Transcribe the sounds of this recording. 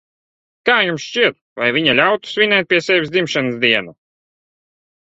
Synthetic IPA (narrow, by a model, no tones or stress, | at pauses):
kaːjumsʃt͡ʃiɛt̪̚ | vajvʲiɲalʲawt̪u̥sʲvʲinʲɛːt̪̚pʲiɛsʲɛvʲisd̪zimʃanɨsd̪iɛnu